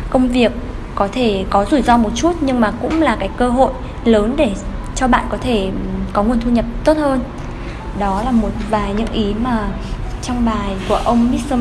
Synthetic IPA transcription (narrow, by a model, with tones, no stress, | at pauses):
kə˧wŋ͡mvi˨˩əkː | ɔ˨˦t̪ʰe˧˩kɔ˨˦zu˧˩zɔ˧mo˨˩t̚t͡ɕu˦˥t̚ɲɨ˧ŋmaː˨˩kʊ̰˧˥ŋ͡mlaː˨˩kaː˨˦jkəː˧ɦo̰˧˨j | ləː˨˦nɗe˧˩ | t͡ɕɔ˧ɓa̰ː˧˨nkɔ˨˦t̪ʰe˧˩kɔ˨˦ŋu˨˩ənt̪ʰu˧ɲə˨˩p̚t̪o˦˥t̚həː˧n | ɗɔ˨˦laː˨˩mo˨˩t̚vaː˨˩jɲɨ̰˧˥ŋʔi˨˦maː˨˩ | t͡ɕɔ˧wŋ͡mɓaː˨˩jku˧˩əʔə˧wŋ͡mmi˦˥t̚sə˧